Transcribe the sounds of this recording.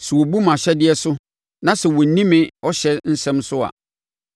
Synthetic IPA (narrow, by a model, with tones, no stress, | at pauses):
su˨wɔ˨bu˦mã˨ɕɛ˦dɪ˦ɛ˦sʊ˦ | nã˦sɛ˨wɔ˨n̩˨nĩ˦mɪ̃˦ɔ˦ɕɛ˦n̩˦sɛ̃˦msʊ˦a̰˨